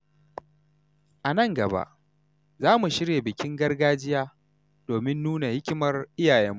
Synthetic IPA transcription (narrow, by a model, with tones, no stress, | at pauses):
ʔa˨nɐ˦˨ŋɡɐ˨ba̰˦ʔ | zaː˦mu˨ʃɪ˦ɽje˨bɪ˨kʲɪ˦ŋɡɐ˦rɡaː˦d͡ʒɪ˦jaː˦ | d̥oː˨mɪ˦nːuː˦na˨hɪ˦kʲɪ˦mɐ˦rʔɪ˦jaː˨jɛ˦mːu˦ʔ